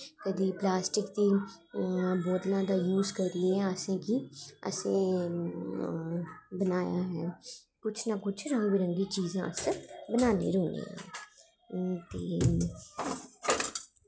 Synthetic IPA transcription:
kɐd̪iplaːsʈɪkt̪i | boːd̪lãd̪ajuːzkɐɾɾiɛ̃əsẽkiɐ̰sẽ | bənaːja̰ɦɛː | kʊt͡ʃʰnakʊt͡ʃʰɾɐ̃ŋɡbiɾə̃ŋɡit͡ʃiːzẽə̰sẽbənaːnḛɾõːɡḛ̃ɦɛ̰̃ː | t̪eː

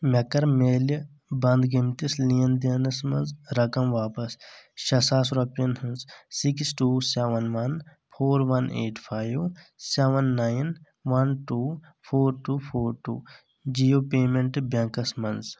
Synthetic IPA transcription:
mʲɐkɐɾmeːl | bɐnd̪ɡimt̪islijɐnd̪ɐnɐsmɐnzɾɐkɐmʋaːpɐsʃɐsaːsɾopɐnɦɐnzsiksʈuːseːʋɐnʋɐn | pʰoːɾʋɐnḛːʈpʰaːjʋseʋɐnːaːjin | ʋɐnʈuː | pʰoːɾʈuːpʰoːɾʈṵː | d͡ʒijoːpeːmẽɳʈbɐŋkɐsmɐnz

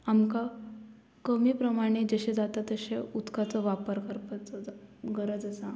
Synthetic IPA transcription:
amka | kəmiːpɾəmaɽ̃ed͡zəɕẽd͡zat̪at̪ːəɕeut̪kat͡səʋapəɾkəɾpat͡səɡəɾəd͡zəsa

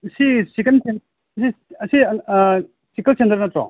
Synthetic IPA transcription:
sisikɐnt͡ʃen | siɐsi | sikɐlsend̪ɐɾnɐtɾɔ̰ŋ

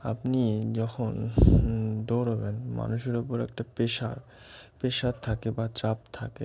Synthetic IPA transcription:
a̰pnid͡ʑɔkʰon | d̪oɾobenma̰nuʃeɾopoɾɛ̰kʈapeʃa̰ɾ | peʃaɾt̪ʰakebat͡ɕap̚t̪ʰake

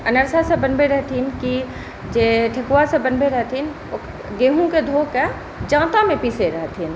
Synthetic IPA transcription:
ɐnəɾsasebənbeɾɛɦt̪ʰinki | d͡ʒeːʈʰekuwasebənbeɾəɦt̪ʰin | ɡeːɦũked̪ʱoke | d͡ʒãːt̪amẽpiːseɾɐɦt̪ʰin

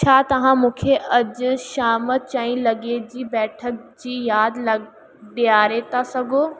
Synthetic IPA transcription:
t͡ɕʰaːt̪ɐʋ̤ãmũːkʰeʔɐd͡ʑʊʃaːmt͡ɕaːĩlɐɡed͡ʑiːbɛːʈʰək̚d͡ʑiːjaːd̪lɐ | ɗiaːɾet̪ʰasɐɡʱoː

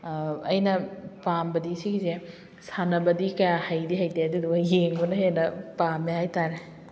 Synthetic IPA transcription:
ɐjnɐpambɐdisiɡize | sanɐbɐdikɐjahajdiɦajtaadiduɡɐjeŋbunɐɦenɐpamehajtaɾe

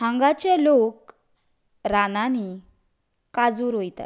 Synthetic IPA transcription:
ãŋɡat͡ɕelok | ɾanani | kad͡zuːɾɦojt̪a̰t̪

